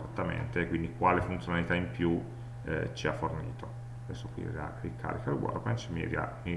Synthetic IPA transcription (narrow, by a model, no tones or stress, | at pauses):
zat̪ːamḛnt̪ekwind̪ikwaːlefunt̪jonalit̪aimpju | t͡ʃiafːornḭːt̪o | ad̪ɛsːokwḭa̰rikʰːa̰ːɾikalwɔ̰rpɛnt͡ʃimḭɾia̰mi